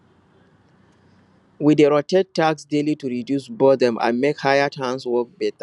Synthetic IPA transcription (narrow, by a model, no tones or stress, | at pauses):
wideɹɔtɛd̚tːaɡsdelituɹidjusbɔdɛ̃mʔã̰nmekhajatʰãnswɔk̚bɛta